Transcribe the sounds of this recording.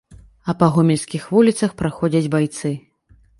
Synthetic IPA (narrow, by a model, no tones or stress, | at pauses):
ɐpɐɣumʲɛlʲsʲkʲixvulʲit̪sɐxpɾaxɔd͡zʲɐd͡zʲbajt̪sɨ